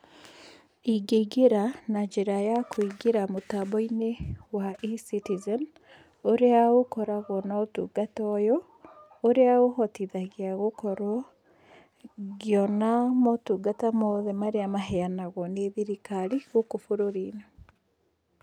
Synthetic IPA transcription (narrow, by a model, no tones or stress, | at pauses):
iɡeɡeɾanaɲd͡ʒeɾajakʰoiɡeɾamotabɔinewaʔisitizɛn | oɾeaokɔɾaɣɔnaotṵːɡatɔjɔ | oɾeaohɔtiðaɣeaɣokɔɾɔ | ɣjɔnamɔtuɡatamɔðɛmaɾeamaɦɛanaɣɔneðiɾikaɾiɣokofoɾoɾina